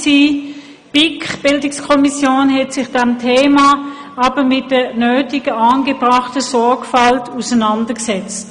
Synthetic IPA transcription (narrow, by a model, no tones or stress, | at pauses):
si | b̥ɪkχb̥ɪldɪkskʰɔmisjoːnɦɛtsɪχd̥ɛmtʰeːma | ɑːb̥əmɪt̚d̥ənøːtɪɡəɑːnɡəbʁɑχtəsɔɐkfɑltʰusɐnɑndɐksɛt͡st